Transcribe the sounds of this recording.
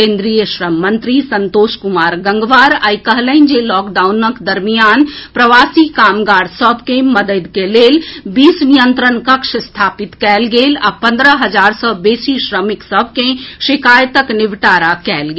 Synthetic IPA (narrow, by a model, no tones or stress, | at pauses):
kẽːnd̪ɾijəʃɾəmːə̃nt̪ɾisənt̪oːʃkʊmaːɾɡɐ̃ŋɡʋaːɾaːikəɦlə̃ɪnd͡ʒelɔːkɖaːʊnəkd̪ɐɾmijaːnpɾəʋaːsikaːmɡaːɽsɔbʱkẽmɐd̪əd̪keleːlbiːsnijənt̪ɾənkɐkʃst̪ʰaːpɪt̪kɛːlɡeːla̰pɐ̃nd̪ɾəɦɐd͡ʒaːɾsɔbeːsiʃɾəmɪksəb̚ʱkẽʃɪkaːjt̪əknɪʋʈaːɾakɛːlɡeː